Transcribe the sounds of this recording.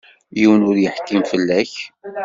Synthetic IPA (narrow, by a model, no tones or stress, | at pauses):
jiwənʊɾjəħkːimfəlːæç